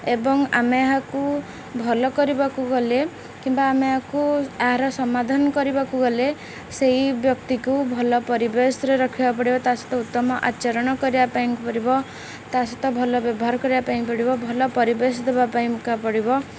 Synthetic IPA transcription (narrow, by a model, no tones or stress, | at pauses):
ebɔŋameaɦaku | bʱɔlɔkɔɾibakuɡɔle | kimbaːmeɦakuaɦaɾɔsɔmad̪ʱanɔkɔɾibakuɡɔle | seɦibjɔkt̪ikubʱɔlɔpɔɾibesɔɾeɾɔkʰibapɔɽibɔt̪asɔ̥t̪ʰɔut̪ːɔmɔʔat͡ʃɔɾɔɽ̃ɔkɔɾibapaĩkupɔɾibɔ | t̪asɔt̪ɔbʱɔlɔbjɔbɔɦaɾɔkɔɾibapaĩpɔɽibɔbʱɔlɔpɔɾibesɔd̪ebapaĩkapɔɽibɔ